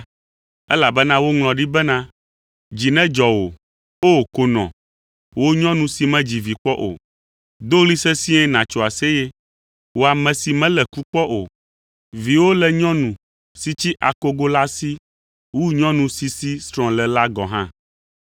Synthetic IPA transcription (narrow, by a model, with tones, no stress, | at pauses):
ɛ˦la˨bɛ˦nã˦wo˦ŋlɔ̃˨ɖi˦bɛ˦nã˦ | d͡ʑi˨nɛ̃˦d͡ʒɔ˨wo˨ | o˦˨ko˨nɔ̰̃˨ | wo˦ɲɔ̃˦nũ˨si˨mɛ̃˦d͡ʑi˨vi˨k͡pɔ˦ʔo̰˨ | d̪o˦li˦sɛ˦sĩ˦ɛ̃˦nã˨t͡ʃɔ˨a˨se˦je˦ | wo˦a˨mɛ̃˨si˨mɛ̃˦lɛ˨ku˦k͡pɔ˦ʔo̰˨ | vi˨wo˦lɛ˨ɲɔ̃˦nũ˨ | si˦t͡ɕi˦ʔa̰˨ko˦ɡo˦la˦si˦ | wu˦ɲɔ̃˦nũ˨si˨si˦st̪ɾɔ̃˨lɛ˨la˦ɡɔ̃˨ɦã̰˦